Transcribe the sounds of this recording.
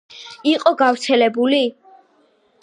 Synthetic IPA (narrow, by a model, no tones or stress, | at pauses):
iqʼɔɡavɾt̪sʰɛlɛbuli